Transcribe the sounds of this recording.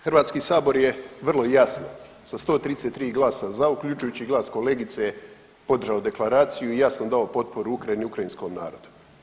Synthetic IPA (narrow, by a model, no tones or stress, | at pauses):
xr̩ʋaːt̪skiːsaːbo̞ɾjeʋr̩lˠo̞jasno | sast̪o̞ːt̪ɾid̪eset̪ːɾiːɡlˠaːsazaukʎut͡ʃujuːt͡ɕiɡlˠaːsko̞le̞ːɡit̪se | po̞d̪r̩ʒaod̪e̞klˠaɾaːt̪sijuijasno̞d̪ao̞po̞t̪̚po̞ɾuukɾajiniukɾajinsko̞mna̰ːɾod̪u̥